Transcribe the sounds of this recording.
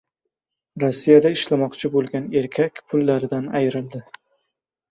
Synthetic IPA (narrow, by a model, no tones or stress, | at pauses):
ɾɒsːijad̪aɪʃlamɒqt͡ʃʰɪbolˠɡʲane̞ɾkʲʰakʲpʰʊlˠːaɾɪd̪anajɾɪld̪ɪ